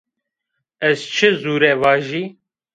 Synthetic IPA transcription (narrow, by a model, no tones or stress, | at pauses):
ɛzt͡ʃʰɨzuːɾɛvɑːʒiː